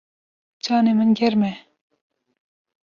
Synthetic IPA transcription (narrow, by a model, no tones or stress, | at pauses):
t͡ɕʰɑːnemənɡeɾme